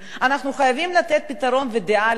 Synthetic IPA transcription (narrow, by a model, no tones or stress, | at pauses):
anaχnuχajavimlat̪et̪̚pit̪aʁo̞nved̪eʔal